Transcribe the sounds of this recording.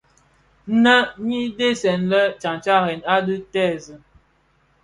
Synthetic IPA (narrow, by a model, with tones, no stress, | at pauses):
nə˦ɲi˦de˦sɛ˨nlə˦t͡ʃa˨ŋt͡ʃa˦ɾɛ˨na˦də˦tɛ˦˨zə˨